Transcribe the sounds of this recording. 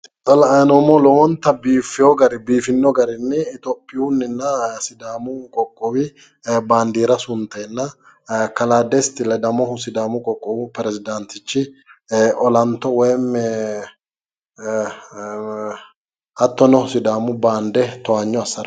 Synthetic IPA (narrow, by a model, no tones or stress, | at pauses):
tʼɐlɐnɔmɔlɔwɔnt̪ːɐbiːfːɪjɔɡɐɾɪbiːfɪnːɔɡɐɾɪnːɛːt̪ɔpːɪjuʊnːɪnːɐsɪd̪aːmʊkʼɔkʼːɔwɪ | baːnd̪iːɾɐsʊnt̪ːɛːnːɐ | kɐlaːd̪ɛst̪ɪlɛd̪ɐmɔhʊsɪd̪aːmʊkʼɔkʼːɔbʊpɛɾɛzɪd̪ɐnt̪ɪt͡ʃːɪ | ɔlɐnt̪ːɔwɔjm | ɐt̪ːɔnɔhʊsɪd̪aːmʊbaːnd̪ɛt̪ɔaɲːɔɐsːɐɾ